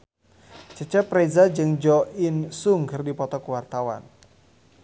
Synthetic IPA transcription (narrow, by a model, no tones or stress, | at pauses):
t͡ʃət͡ʃɛpɾezad͡ʒɨŋd͡ʒɔʔinsuŋkɨrdipɔt̪ɔkuwart̪awa̰n